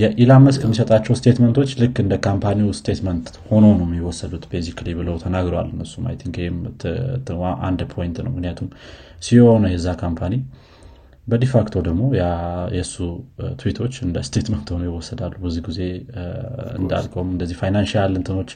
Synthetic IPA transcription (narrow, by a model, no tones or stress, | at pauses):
jɛʔilamːəskəmːisət̪ʼat͡ʃːɛwst̪ʰet̪mənt̪ʰo̞t͡ʃːlɨkːɨnd̪əkʰampʰaniust̪ʰet̪mənt̪ho̞no̞nəwmːjiwɔsːəd̪ut̪besiklibɨləwt̪ʰənaɡɾowa̰lːɨnːəsːuma̰jt̪ʰiŋkʰem | ʔa̰nd̪pʰo̞jint̪nə̰wmɨknɨjat̪ʰumsiho̞nəjɛzːakʰampʰani | bəd̪efakt̪ʰo̞d̪əɡmo̞jajɛsːut̪ʰɨwit̪ʰo̞t͡ʃːɨnd̪əst̪ʰe̞t̪mənt̪honojɪwɔsːəd̪alːubəzːihɡize̞ | ɨ̰nd̪a̰lkʼomɨnd̪əzːihfajnanʃialɨnt̪ʰɨno̞t͡ʃː